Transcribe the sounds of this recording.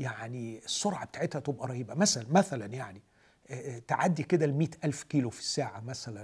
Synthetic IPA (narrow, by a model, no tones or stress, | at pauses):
jaʕniesˤːoɾʕabet̪aːʕet̪hæt̪ebʔæɾˤɑhiːbæmæsælænmæθælænjaʕni | t̪eʕad̪ːiked̪ælmiːt̪ʔælfkiːlofi̥sːaːʕamæsælæn